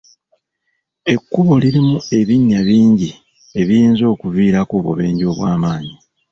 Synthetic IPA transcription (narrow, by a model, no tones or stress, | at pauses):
e̞kːuβo̞liɾimue̞βiɲːaβiːɲɟi | e̞βijiːnzo̞ːkuviːɾakoːβo̰βeːɲɟo̞ːβwaːmaːɲi